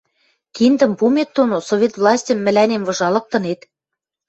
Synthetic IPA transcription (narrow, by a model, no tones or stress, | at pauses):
kind̪ə̆mpumet̪ːonosovʲet̪vlˠɑsʲtʲə̆mːɘ̆lænemvɤ̆ʒɑlɤ̆k̚t̪ɤ̆net̪